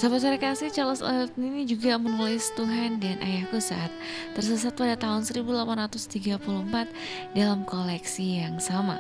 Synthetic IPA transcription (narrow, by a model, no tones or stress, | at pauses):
sabasaɾakasɪht͡ʃalɔsɔ̰t̪ninid͡ʒuɡamənulɪst̪uɦandanʔa̰jahkusa̰t̪̚ː | ərsəs̬at̪̚padat̪aɦʊnsəɾibulapanrat̪ʊst̪iɡapuluhmpat̪̚ | dalamkolɛksijaŋsama̰